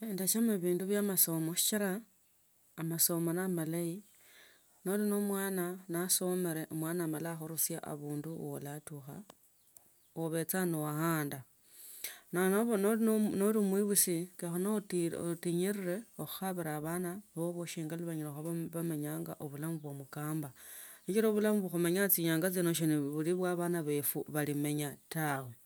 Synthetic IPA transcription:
endat͡ʃamaβiːnduβjaːmaso̞moʃi̥t͡ʃiɾaː | maso̞monamalai | no̞lino̞mwaːnanaso̞meɾeʔomwaːnaːmalaxoɾusjaʔa̰βuːnduwo̰latuxa̰ | oβe̞t͡sanowahaːnda | nanoβonnolimwiβusikexonototiɲiɾire̞oxu̥xaβiɾaβanaβoβoʃiŋɡaluβaɲiɾoxaββameɲaːŋɡa̰ʔoβulamuβwomukaːmbaʃit͡ʃiɾoβulamuβuxumeɲat͡siɲaːŋɡat͡sinoʃ̬iniβuliβwaβanaβe̞fuβalime̞ɲatawe̞

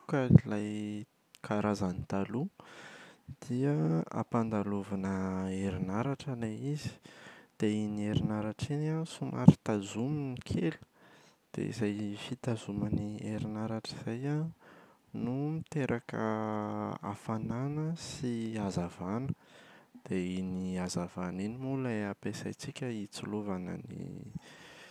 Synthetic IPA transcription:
kailaj | kʰaɾʔazanit̪alu | d̪̥iəa̰pand̪aluvanəeɾinaɾaʈ͡ʂaleizi̥d̪̥einieɾinaɾaʈ͡ʂinasumʔa̰ɾi̥t̪azuminikʰelu̥ | d̪̥ḛḭzajfit̪azumanieɾinaɾaʈ͡ʂiz̥aja | numit̪eɾʔakə̰ | a̰fananəsiazavanə̥d̪̥einiazavaninimuləapesa̰jt͡sikʲəit͡suluvanə̰nḭ

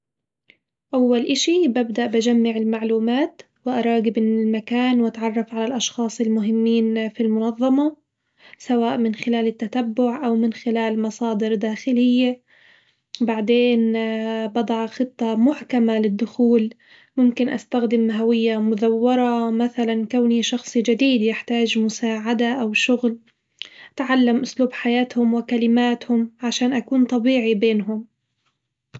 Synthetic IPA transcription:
ʔawːalʔɪʃibabd̪aʔbad͡ʒamːaʕɪlmaʕluːmaːt̪ | wɪʔɑɾˤɑːɡɪbɪɪlmakaːnwʔat̪ʕɑrˤːɑfʕalalʔɑʃxɑːsˤɪlmʊɦɪmːiːnfilmʊnɑðˤːɑmɑ | sawaːʔmɪnxɪlaːlɪt̪ːat̪abːʊʕʔawmɪnxɪlaːlmɑsˤɑːd̪ɪɾd̪aːxɪlɪjːa | baʕd̪eːnbɑd̪ˤɑʕxɨt̪ˤːɑmʊħkamalɪd̪ːʊxuːl | mʊmkɪnʔa̰st̪axd̪ɪmːɦawɪjːamʊðawːɑɾˤɑmaθalankawniʃɑxsˤid͡ʒad̪iːd̪jɪħt̪aːd͡ʒmʊsaːʕad̪aʔawʃʊɣl | t̪ʕalːamʔʊsluːbħajaːt̪hʊmwɪkalɪmaːt̪hʊmʕaʃaːnʔakuːnt̪ˤɑbiːʕibeːnɦʊm

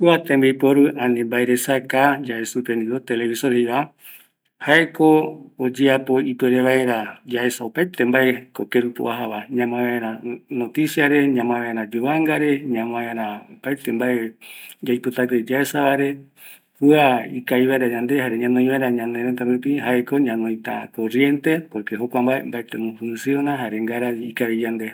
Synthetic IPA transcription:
kuat̪ẽmbejpoɾuãnĩmbaeɾesakad͡ʒaesupẽnd̪iɾot̪eleβisohejβa | haeko̞ːd͡ʒeapo̞ipeɾeβaeɾad͡ʒae̞saopajt̪embaekokeɾupo̰ʔaɦaβaɲãmãβaeɾanot̪isiaɾe̞ɲãmãβaeɾãd͡ʒuβaŋɡaɾe̞ɲãmõaeɾaopajt̪embaed͡ʒajpot̪at̪ed͡ʒaesaβaɾe̞ | huaikaiβaeɾaɲãnd̪e̞haɾeɲãnõĩβaeɾaɲãneɾet̪aɾupiɦaeko̞ɲãnõj̃t̪a̰korje̞nt̪e̞poɾkeɦokʷambaembaet̪emõfũnsjonãɦaɾeŋɡaɾaikaɾid͡ʒand̪e

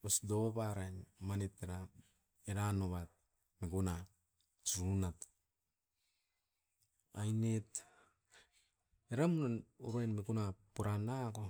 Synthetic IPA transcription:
osdoβaɾajnmaneteɾa | eɾanoβat̚ | mekuna | t͡ʃunat | ajnet | eɾamunanuɾoenmekunapuɾanako

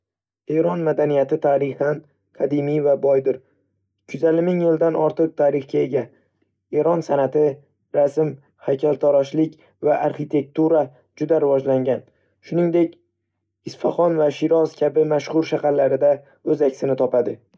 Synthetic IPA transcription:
e̞ɾɒnmad̪anijat̪ɪt̪ʰaɾɪhan | qʰɑd̪ɪmijvabɒjd̪ɪɾ | kʰʊzalɪmɪŋjɪld̪anɒɾt̪ʰɨq̚t̪ʰaɾɪχkʲae̞ɡʲa | e̞ɾɒnsanat̪ʰɪ | ɾasɪm | hajkʰʲalˠt̪ʰɒɾɒʃlɪkʲ | vaʔaɾχit̪ʰe̞k̚t̪uɾa | d͡ʒʊd̪aɾɪvɒd͡ʒlaŋɡʲan | ʃʊnɪŋd̪e̞kʲ | ɪsfaχɒnvaʃɪɾɒskʲʰabɪmaʃχʊɾʃaqaɾlːaɾɪd̪a | ɵzakʲsɪnɪt̪ʰɒpad̪ɪ

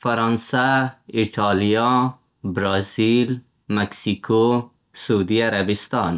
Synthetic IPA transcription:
faɾɑnsaiʈʰɑlijɑ | bɾɑzil | maksiko | suud̪iaɾabɪst̪ɑn

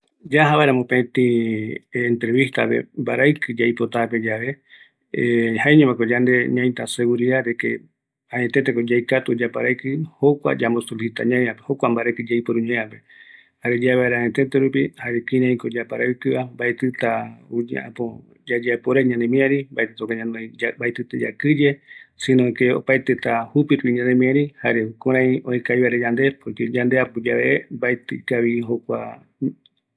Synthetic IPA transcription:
d͡ʒaɦaβaeɾamõpet̪ĩː | nt̪ɾeβist̪a̰pe̞̰mbaɾaɨkɨd͡ʒajpo̞t̪ape̞d͡ʒaβe̞ | haeɲõmakod͡ʒand̪eɲãj̃t̪ase̞ɡuɾiðaɾekḛ | ãẽt̪et̪̬eko̞d͡ʒajkat̪ud͡ʒapaɾajkɨhokʷa̰d͡ʒambosulisit̪a̰ɲãẽapeho̞kʷambaɾekɨd͡ʒajpoɾũɲeape̞ | haɾed͡ʒaβaeɾaãɲet̪e̞t̪eɾupihaɾekĩɾãĩkod͡ʒapaɾaɨk̪ɨambaet̪ɨt̪aud͡ʒḛã̰po | d͡ʒad͡ʒapoɾeɲãnemĩaɾimbaet̪ɨt̪okaɲãnõjbaet̪ɨt̪ed͡ʒa̰kɨd͡ʒe̞sĩnõikeo̰pajt̪et̪ahupiɾupiɲãnẽmĩãɾihaɾehukuɾãiõĩkajβaɾed͡ʒand̪e̞poked͡ʒand̪eapod͡ʒaβḛʔembaet̪kaβiɦokʷa̰

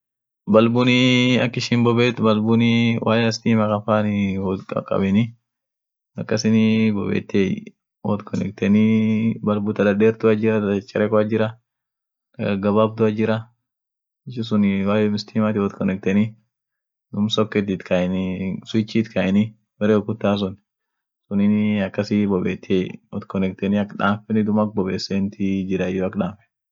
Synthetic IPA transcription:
bɐlbʊnɪɐkːɪʃɪmbɔbeːt̪bɐlbʊnɪwʔaːjɛɐst̪iːmɐkɐfaːnɪhɔd̪kɐ̰kʼɐ̰bɪnɪ | ɐkːɐsɪnɪbɔbḛːt̪ːe | wɔ̰t̪kʰɔnɛ̰ɡt̪ɛnɪbɐlbʊt̪ɐd̪ɐd̪eːɾt̪ʊɐd͡ʒɪɾɐt̪t͡ʃʼːɐɾeːkɔɐd͡ʒɪɾɐ | ɐɡɐbaːb̚d̪ʊɐd͡ʒɪɾɐ | ɪt͡ʃːɪs̬ʊnwaːjɛmɪst̪ʰiːmat̪ɪwɔt̪kɔnɛk̚t̪ɛni | d̪ʊmsɔkːɛt̪̬ɪt̪kʰansʊt͡ʃːit̪kʰaɪnɪ | bɛɾeɔkʊt̪ːaːs̬ɔn | sʊnɪɐkːɐsibɔbeːt̪ʰːeːjwɔt̪kɔnɛk̚t̪ɛniɐkᶑaːfɛnɪd̪ʊmɐk̚bɔbeːsːeːnt̪ɪd͡ʒɪɾɐɪjɔɐkːᶑaːfɛ̥

